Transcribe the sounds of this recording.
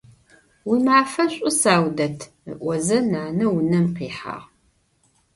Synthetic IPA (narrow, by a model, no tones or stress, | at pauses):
wiːmaːfɐɕʷʼʊsaːwdɐtʰ | ə̰ʔʷɔzɐnaːnɐwʊnɐmqiːħa̰ːʁ